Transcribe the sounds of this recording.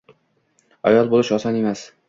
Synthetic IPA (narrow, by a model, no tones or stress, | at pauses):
ɒ̰jɒlˠbolˠɪʃɒsɒnemas